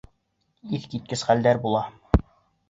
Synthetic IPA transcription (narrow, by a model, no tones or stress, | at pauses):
iθkit̪̚kɘsχæld̪æɾbulˠɑ